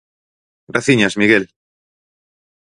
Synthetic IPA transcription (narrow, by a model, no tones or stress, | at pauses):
raθiɲasmiɣel